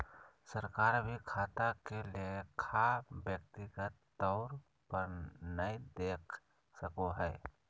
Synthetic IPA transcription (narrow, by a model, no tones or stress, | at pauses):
səɾkaːɾbʱikʰaːt̪akeliekʰabjək̚t̪ikat̪ː | ɔʊɾ | pəɾnəĩd̪eːkʰ | səkoɦɛː